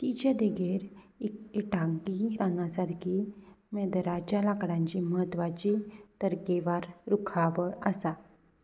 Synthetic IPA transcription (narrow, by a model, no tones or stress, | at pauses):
t̪it͡ɕad̪eɡeɾ | ikiʈaŋkiɾanasaɾkʰimed̪ɾat͡ɕalakɽãɲt͡ɕiməɦət̪ːʋat͡ɕit̪əɾkeʋaɾɾukʰabəəsa